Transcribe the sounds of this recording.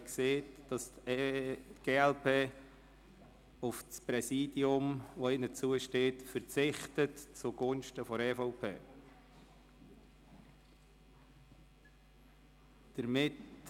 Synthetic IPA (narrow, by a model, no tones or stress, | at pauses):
kseːtd̥ɑst | tɡ̥eːɛlpeː | ʊfspɾɛsiːd̥iʊmʋoɪnət͡suəʃteːtfəɾt͡sɪχtətt͡suɡ̥ʊnʃtəfɔɾɛːfɔʊpʰḛː | d̥əɾmɪt